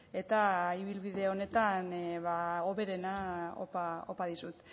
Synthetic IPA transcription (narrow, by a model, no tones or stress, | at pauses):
e̞t̪aiβilβiðeo̞ne̞t̪anβao̞βe̞ɾe̞nao̰pao̰paðisut̪